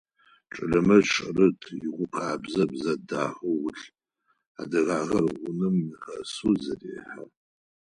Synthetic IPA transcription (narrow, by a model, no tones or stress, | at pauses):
ʈ͡ʂʼɨɮɐmɐʈ͡ʂʼɐrɨtʰɪʁʷʊqʰaːbzɐbzɐdaːħʷuwʊɬʼ | adɐɣaːʁɐrʁʷʊnɨmːixɐsuzɐrḛːħa